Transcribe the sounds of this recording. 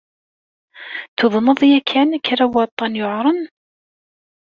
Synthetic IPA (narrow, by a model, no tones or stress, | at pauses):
θʊðˤnəðˤjækʰːænækːɾawɑt̪ˤːɑnjoʕɾˤən